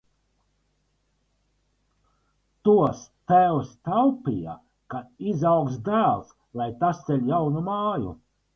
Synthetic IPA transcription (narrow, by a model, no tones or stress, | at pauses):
t̪uɔst̪æwst̪awpija̰ | kaizawksd̪æːlˠs | lˠajt̪ast̪selʲjawnumaːjṵ